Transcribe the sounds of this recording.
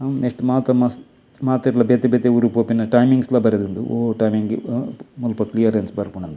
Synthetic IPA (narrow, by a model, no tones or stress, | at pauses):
ɐneʂʈmaːt̪ɐmɐs | maːt̪iɾlɐbet̪ebet̪euɾupoːpinːɐʈɐjmiŋɡslɐbɐɾed̪und̪ṵo̰ʈɐjmiŋɡimulpɐklijɐɾensbɐɾpuɳɐnd̪